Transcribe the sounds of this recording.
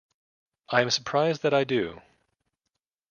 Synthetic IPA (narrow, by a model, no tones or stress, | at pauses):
ʔaɪɨ̃msə˞pʰɹ̥aɪzd̪ðɨɾaɪdʉ̰